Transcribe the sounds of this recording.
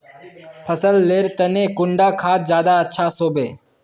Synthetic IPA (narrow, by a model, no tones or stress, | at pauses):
pʰəsəlːeːɾt̪ɐnẽkʊɳɖakʰaːt̪zjaːd̪aətːʃʰasoːbeː